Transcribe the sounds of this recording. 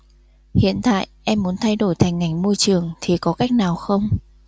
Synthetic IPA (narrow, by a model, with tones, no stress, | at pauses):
hḭ˧˨ənt̪a̰ː˧˨jʔɛ˧mːu˨˦ənt̪ʰa˧jɗo˧˩jt̪ʰa˨˩jŋ̟ːa˨˩jŋ̟mo˧jt͡ɕɨ˨˩əŋt̪ʰi˨˩kɔ˨˦ka˦˥jk̟̚naː˨˩wxə˧wŋ͡m